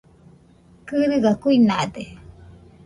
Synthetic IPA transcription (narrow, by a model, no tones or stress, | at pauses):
kɨɾɨɡakuinad̪e